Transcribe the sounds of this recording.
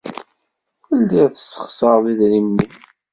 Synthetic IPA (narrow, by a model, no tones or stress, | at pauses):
fəlːiʁθəsːə̥χsəɾˤðiðɾimːi